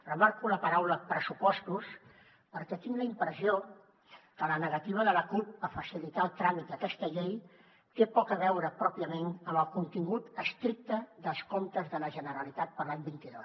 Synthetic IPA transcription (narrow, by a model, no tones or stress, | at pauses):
rəmaɾkuləpəɾawləpɾəsupɔst̪us | pəɾkɛt̪iŋɡləimpɾəzio | kələnəɣət̪iβ̞əðələkup̚əfəsilit̪alˠt̪ɾamit̪əkɛst̪əʎej | t̪epɔkəβ̞ɛwɾəpɾɔpiəmenəməlˠkunt̪iŋɡut̪əst̪ɾik̚t̪əðəlˠskomt̪əzðələʒənəɾəlit̪at̪̚pəɾlaɲbint̪iðos